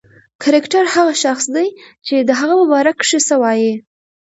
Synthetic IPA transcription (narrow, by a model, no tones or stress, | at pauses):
kʰaɾɪkʈaɾhaɣaʃaxsd̪ajt͡ʃed̪əɦaɣamʊbɑɾakʂəsəwɑji